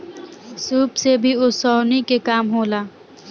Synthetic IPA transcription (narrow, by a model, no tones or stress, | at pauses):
suːbsebʱiʊsɔːnikekaːmɦoːlaː